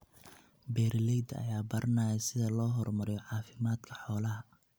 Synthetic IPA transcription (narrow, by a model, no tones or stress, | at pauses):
bɛːɾlɛjd̪ɐ̰jaːbɐɾɐnaːjɛsɪðɐlɔːɦɔrmɐɾɛjɔʕɑːfɪmaːd̪kʰɐ̥ħɔːlɐɦɐ